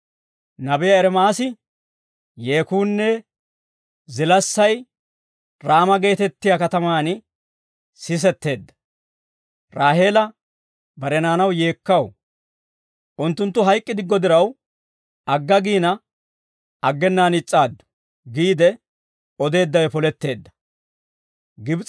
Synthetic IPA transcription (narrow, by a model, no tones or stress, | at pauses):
nɐbɛjɐɛɾɛmaːsɪ | jeːkuːnːɛ | zɪlɐsːɐj | ɾaːmɐɡe̞ːt̪ɛt̪ːɪjaːkɐt̪ɐmaːnɪ | sɪs̬ɛt̪ːe̞ːd̪ːɐ̥ | ɾaːɦe̞ːlɐ | bɐɾɛnaːnɐwje̞ːkːɐw | ʔʊnt̪ːʊnt̪ːʊɦɐjkʼːɪd̪ɪɡːɔd̪ɪɾɐw | ɐɡːɐɡiːnɐ | ɐɡːɛnːaːnɪt͡sʼːaːd̪ːʊ̥ | ɡiːd̪ɛ | ɔd̪e̞ːd̪ːɐwɛpɔlɛt̪ːe̞ːd̪ːɐ̥ | ɡɪbt͡s